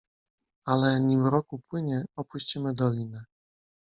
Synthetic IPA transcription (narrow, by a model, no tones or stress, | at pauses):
alɛɲivɾɔkupwɘɲɛɔpuɕt͡ɕimɘd̪ɔlʲinɘ